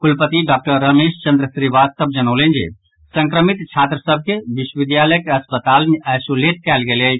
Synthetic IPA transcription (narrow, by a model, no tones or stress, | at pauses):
kulpət̪iɖak̚ʈəɾːəmeːʃt͡ʃə̃nd̪ɾəsɾiʋast̪əb̚d͡ʒənoːlẽnd͡ʒḛ | sə̃ŋkɾəmit̪t͡ʃʰaːt̪ɾəsəb̚ʱkeʋiʃwəʋid̪jaləjkeɐspət̪aːlnajsolet̪̚kɛːlɡele